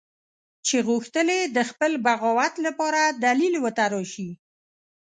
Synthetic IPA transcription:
t͡ʃeɣuxt̪əled̪əxpəlbaɣɔwat̪lapɑɾad̪alilwət̪aɾɔʃi

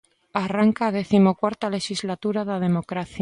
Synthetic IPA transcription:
araŋkaːð̞eθimokwaɾt̪ale̞ʃizlat̪uɾaðaðe̞mokɾaθj

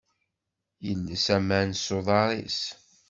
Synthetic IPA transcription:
jəlːəsæmænsoðˤɑɾˤḭs

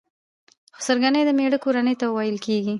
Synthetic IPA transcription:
xʊ̥səɾɡanəjd̪əmeɽəkoɾanəjt̪awajəlkeɡi

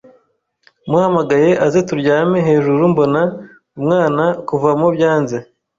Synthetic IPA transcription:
muhamaɡaje̞ʔazetuɾɟaːme̞ɦe̞ːʒuɾumbo̞na | umŋaːnakuvamobjaːnze

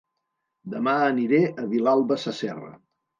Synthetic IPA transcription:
d̪əmaəniɾeʔəβilalˠβəsəsɛ̰rə̰

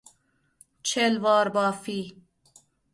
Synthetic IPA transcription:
t͡ʃʰelvɑːɾbɑːfiː

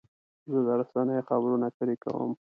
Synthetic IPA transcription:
zəd̪aɾasɑnəjxabɾunat̪əɾeka̰wə̰m

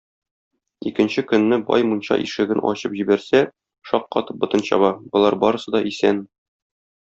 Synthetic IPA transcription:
ikɘ̆nɕɘkɵ̆nːɘbɒ̰jmunɕɑ̰ʔḭʃɘ̆ɡɘnʔɒ̰ɕɤpʑibæɾsæ | ʃɒqːɒ̰t̪ɤp̚bŏt̪ɤ̆nɕɑ̰βɑbŏlˠɑɾbɒɾɤ̆sɤd̪ɒʔisæn

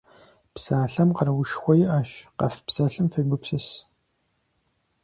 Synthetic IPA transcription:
psaːɬɐmqɐɾwʊʃxʷɔjɪʔaːʃqɐ̰fpsɐɬɨmfɐɡʷʊpsɨs

